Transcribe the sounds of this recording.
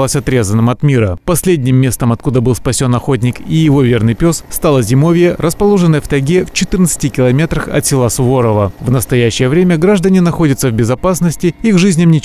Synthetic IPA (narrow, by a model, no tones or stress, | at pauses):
lˠəsʲɐt̪ɾʲe̞zənːɨmɐt̪mʲiɾəpɐsʲlʲedʲnʲɪmʲːe̞st̪əmɐt̪kud̪əbɨlˠspɐsʲo̞nɐxo̞t̪̬̚ʲnʲɪkijɪvo̞vʲe̞rnɨjpʲosst̪alˠəzʲɪmo̞vʲɪjərəspɐlˠo̞ʐɨnːəjft̪ɐɡʲeft͡ɕɪt̪ɨrnət̪sɨ̥tʲɪkʲɪlˠɐmʲe̞t̪ɾəxɐ̰t̪sʲɪlˠasʊvo̞ɾəvəvnəst̪ɐjæɕːɪjəvɾʲemʲəɡɾaʐd̪ənʲɪnɐxo̞dʲɪt̪səvbʲɪzɐpasnəsʲtʲɪiɡʐɨzʲnʲɪmnʲɪt͡ɕ